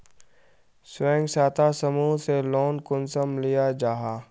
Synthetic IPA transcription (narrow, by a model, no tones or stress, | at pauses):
swɛ̃ːŋɡsaːt̪asəmuːseloːnkʊnsəmlɪjad͡ʒaːɦaː